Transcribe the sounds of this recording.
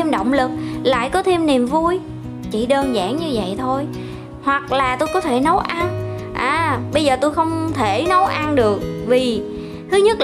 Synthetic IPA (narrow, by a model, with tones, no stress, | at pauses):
e˧mɗə̰˧˨wŋ͡mlɨ˨˩k̚la̰ː˧˨jkɔ˨˦t̪ʰe˧mni˨˩mvu˧j | t͡ɕi˧˩ɗəː˧nza̰ː˧˩ŋɲɨ˧və̰˧˨jt̪ʰo˧j | hwa˨˩k̚laː˨˩t̪o˧jkɔ˨˦t̪ʰe˧˩nə˨˦wʔa˧n | ʔaː˨˩ɓə˧jzəː˨˩t̪o˧jxə˧wŋ͡mt̪ʰe˧˩nə˨˦wʔa˧nɗɨ˨˩ək̚vi˨˩ | t̪ʰɨ˨˦ɲə˦˥t̚